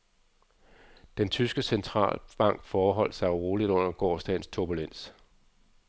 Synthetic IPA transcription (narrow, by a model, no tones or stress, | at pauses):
d̥ent͡sʰysɡ̥əsent͡sʰʁɑ̰̈ːlb̥ɑ̈ŋ̰ɡ̥fɒːɦɒ̽l̰d̥sɑ̈ɪʁo̝ːlid̥ɔ̽n̰ɐɡ̥ɒːsd̥ɛ̰nst͡sʰuɐb̥ulen̰s